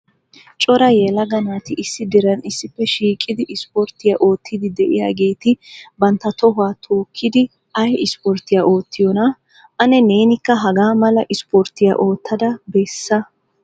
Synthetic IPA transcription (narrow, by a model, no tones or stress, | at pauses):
t͡ʃʼɔɾɐjɛlɐɡɐnaːt̪ɪʔɪsːɪd̪ɪɾɐnɪsːɪfːɛʃiːkʼːɪd̪ɪʔɪspɔɾt̪ːɪjaːʔo̞ːt̪ʰːɪd̪ɪd̪ɛʔɪ̰ja̰ːɡe̞ːt̪ɪbɐnt̪ːɐt̪ɔhʊwaːt̪ʰoːkʰːɪd̪ɪ | ʔɐjɪspɔɾt̪ːɪjaʔo̞ːt̪ːɪjɔnɐ | ʔɐnɛneːnɪkːɐɦɐɡaːmɐlɐʔɪspɔɾt̪ɪja̰ʔo̞ːt̪ːɐd̪ɐbeːsːɐ